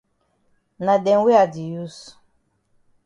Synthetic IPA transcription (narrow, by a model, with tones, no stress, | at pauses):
na˨dɛ̃˨ŋ˦we˦a˨di˨ju˦s